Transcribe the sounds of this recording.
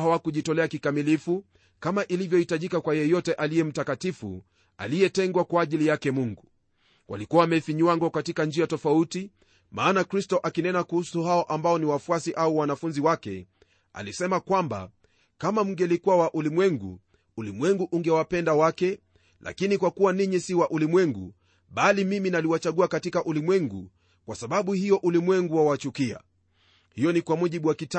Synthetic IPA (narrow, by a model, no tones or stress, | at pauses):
awakuʄitɔlɛakikamilifu | kamaʔilivjɔhitaʄikakwajɛjɔtɛʔalijɛm̩takatifṵ | a̰lijɛtɛŋɡwakwaːʄilijakɛmuŋɡu | wʔa̰likuwamɛfiɲuwaŋɡɔkatikand͡ʒiatɔfauti | maːnakɾistɔʔakinɛnakuhusuhaɔʔambaɔniwafuasiʔauwanafunziwakɛ̰ | a̰lisɛmakwamba̰ | kamam̩ŋɡɛlikuawaʔulimwɛŋɡṵ | ulimwɛŋɡuʔuŋɡɛwapɛndawakɛ | lʔa̰kinikwakuwaniɲisiwaʔulimwɛŋɡṵ | ɓalimiminaliwat͡ʃaɠuakatikaʔulimwɛŋɡu | kwasaɓaɓuhijɔʔulimwɛŋɡuwawat͡ʃukia̰ | hijɔnikwamuʄiɓuwakita